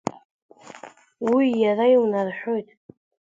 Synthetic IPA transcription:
wijarajwnarħʷᶣojtʼ

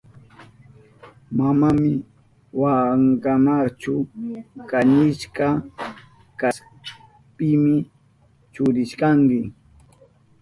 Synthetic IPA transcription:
mamamɪ | waŋkamaɾt͡ʃʊkaɲɪʃka | kas | pɪmɪ | t͡ʃʊɾɪʃkaŋkɪ

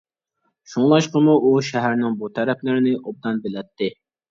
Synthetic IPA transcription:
ʃuŋlˠɑʃqəmuʔuʃæɦæɾnɪŋbut̪ʰæɾɛplɪɾɪnɪʔob̚d̪ɑnbɪlɛt̪ʰːɪ

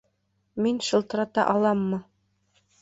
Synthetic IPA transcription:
minʃɤ̆lˠt̪ɤ̆ɾɑt̪ɑ̰ʔɑlˠɑmːɤ

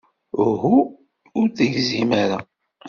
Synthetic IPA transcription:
ɦuː | ɾθəʝzimaɾa

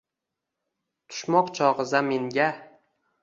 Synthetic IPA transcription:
t̪ʰʊ̥ʃmɒqt͡ʃʰɒʁɨzameŋɡʲa

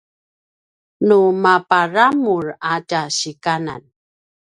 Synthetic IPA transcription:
numapaɾamuɹataɕikana̰n

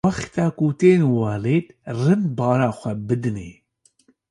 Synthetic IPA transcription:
ɑxt̪ɑːkut̪eːnwɑːleːt̪rɨnbɑːɾɑːxʷɛbɨd̪ɨnḛː

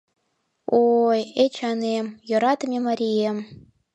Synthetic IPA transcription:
ojet͡ɕɑnemjŏɾɑt̪əmʲemɑɾʲiem

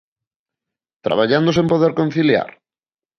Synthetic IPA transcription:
t̪ɾa̰βaʎand̪osẽmpoðeɾkon̟θilja̰ɾ

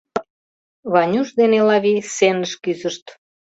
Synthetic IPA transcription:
βɑnʲuʃd̪enelɑβisenəʃkyzəʃt̪

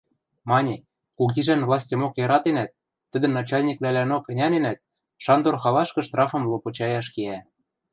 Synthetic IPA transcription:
mɑnʲĕ | kuɣʲiʒænvlˠɑsʲtʲɤ̆mokjɤɾɑt̪enæt̪ː | ə̆d̪ɘ̆nɑt͡ɕɑlʲnʲiklælænokɘ̆nʲɑnenæt̪̚ | ʃɑnd̪orxɑlɑʃkɤ̆ʃt̪rɑfɤ̆mlˠopot͡ɕɑjɑʃkeæ

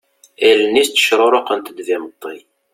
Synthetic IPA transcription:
ælnːist̪ːə̥ʃɾˤoɾˤoqənt̪əd̪vɪmət̪ˤːi

